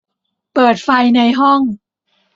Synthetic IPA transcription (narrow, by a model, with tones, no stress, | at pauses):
pɤː˨˩t̪̚fa˧jna˧jɦɔ˥˩ŋ